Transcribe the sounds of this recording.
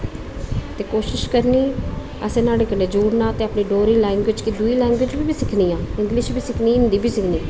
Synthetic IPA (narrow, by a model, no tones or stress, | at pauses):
t̪eːkoːʃɪʃkəɾniː | ɛːsẽːnaːɽekəneːd͡ʒuːɽnãːət̪eːəpniːɖoːɾiːlaːɪŋʋɪːt͡ʃkid̪uiːlɛːɪŋɡʋeːd͡ʒbiːbiːsɪkʰniːãːɪŋɡlɪʃbiːsɪkʰniːɪnd̪iːbʱiːsɪkʰniː